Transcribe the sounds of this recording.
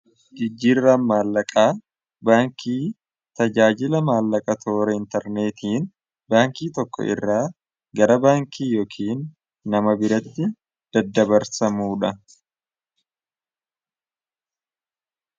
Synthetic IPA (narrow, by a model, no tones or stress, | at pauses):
d͡ʒɪd͡ʒːiːrːɐnmaːlːɐkʼaː | baːŋkʰiː | t̪ɐd͡ʒaːd͡ʒɪlɐmaːlːɐkʼɐt̪ʰo̞ːɾɛɪnt̪ɐɾne̞ːt̪ʰiːn | baːŋkiːt̪ɔkːɔ̰ʔɪ̰rːaː | ɡɐɾɐbaːŋkʰiːjoːkʰiːnː | ɐmɐbɪɾɐt̪ːɪ | d̪̥ɐd̪ːɐbɐɾsɐmuːᶑɐ